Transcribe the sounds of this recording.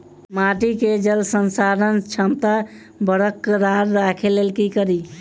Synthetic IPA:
maʈiked͡ʒəlsənsaɾənt͡ʃʰəmt̪a | bəɽəkːɾaɾːakʰelelkikəɾi

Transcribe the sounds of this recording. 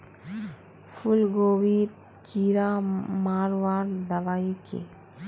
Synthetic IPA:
fʰulɡoːʋit | kiɾamaːɾʋaːɾd̪ɐʋaikḛ

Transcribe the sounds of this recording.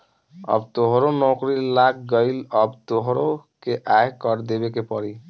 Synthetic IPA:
ə̰bt̪oɦɾonɔːkɾilaːk̚ɡəɪlɔbt̪oɦɾokeʔaːjkɔɾd̪eːbekepɔɾi

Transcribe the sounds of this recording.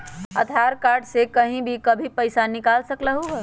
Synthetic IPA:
ɐ̰t̪ʰaːɾkaːɾɖsekɐɦĩbʱikɐbʱipɐɪsanɪkaːlsɐklaɦoːɡaː

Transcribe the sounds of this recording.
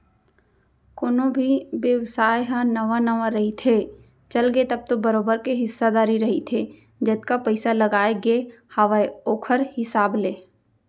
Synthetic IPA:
koːnõbʱiʋjəʋsaːjɦãnəʋanɐʋaɾɐɦit̪ʰe | t͡ʃɐlɡet̪ɐb̚t̪obɐɾoːbəɾkeɦɪsːad̪aːɾiɾɐɦit̪ʰeː | d͡ʒɐt̪̚kapəɪsalɐɡaːeɡe | hɐʋaeoːkʰəɾhɪsaːbleː

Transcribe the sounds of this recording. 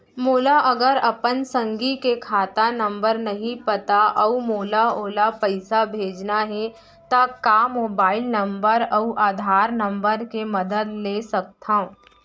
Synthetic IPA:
moːlaʔɐɡəɾɐpənsə̃ŋɡikekʰaːt̪anɐ̃mbəɾnɐɦĩpɐt̪aʔɐumoːlaoːlapɐɪsabʱeːd͡ʒnaɦɛ | t̪akamoːbaːɪlnɐ̃mbəɾɐuʔaːd̪ʱaːɾnɐ̃mbəɾkemɐd̪əd̪leːsɐk̚t̪ʰaõː

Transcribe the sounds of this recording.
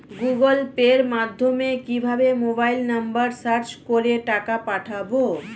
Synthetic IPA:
ɡuɡolpeɾmad̪ʱːomekibʱabemobajlnambaɾsaɾt͡ɕkoɾeʈakapaʈʰabo

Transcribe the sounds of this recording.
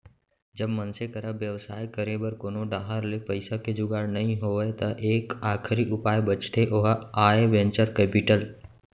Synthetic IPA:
d͡ʒəbmənsekəɾaʋjəʋsaːjkəɾebəɾkoːnoɖaːɦəɾlepəɪsaked͡ʒʊɡaːɽnɐɦĩɦoet̪ɐʔeːkaːkʰɾiʔʊpaːjbət͡ʃt̪ʰeʔoɦaːeʋɛ̃ːnt͡ʃəɾkɛːpɪʈəl

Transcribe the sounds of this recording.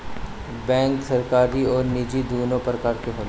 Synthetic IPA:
bɛ̃ːŋksɐɾkaːɾiɔːɾnid͡ʒid̪ʱuːnõpəɾkaːɾkeɦoːl

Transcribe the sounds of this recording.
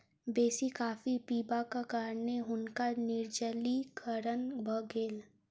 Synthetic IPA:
beːsikaːfipiːbakakaːɾneɦʊnkanɪɾd͡ʒəlikʰəɾənbəɡeːl

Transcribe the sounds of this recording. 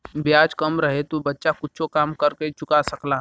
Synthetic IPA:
bjaːd͡ʒkɐmɾɐɦet̪obɐtːʃakʊtːt͡ʃʰokaːmkɐɾket͡ʃʊkasɐklaː

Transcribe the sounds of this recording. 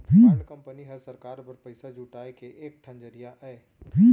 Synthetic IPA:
tʰikɐ̃mpəniɦɐɾsəɾkaːɾpɐɾpəɪsad͡ʒuːʈaːekeʔeːk̚ʈʰɐ̃nd͡ʒəɾijaʔɛː | tʰi

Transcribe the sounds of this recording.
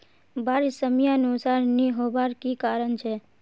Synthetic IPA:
bʱaɾisəmjanusaɾniɦoʋaɾkikaɾəɳt͡ʃʰe

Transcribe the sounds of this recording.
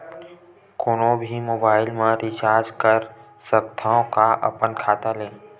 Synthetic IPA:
koːnobʱimoːbaːɪlmẽɾɪt͡ʃaːɾd͡ʒkəɾ | səkt̪ʰaːõkaʔɐ̰pənkʰaːt̪alẽː

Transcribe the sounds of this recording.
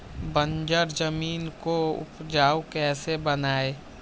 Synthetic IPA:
bə̃nd͡ʒəɾd͡ʒəmiːnkoʊ̰pd͡ʒaːukɛːsebənaːeː

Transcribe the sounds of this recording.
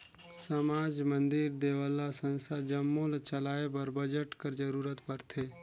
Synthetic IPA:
səmaːd͡ʒmə̃nd̪ɪɾd̪eːʋəlːasə̃nsad͡ʒɐmːõlət͡ʃɐlaːebɐɾbəd͡ʒəʈkəɾd͡ʒəɾuːɾət̪pɐɾt̪ʰeː

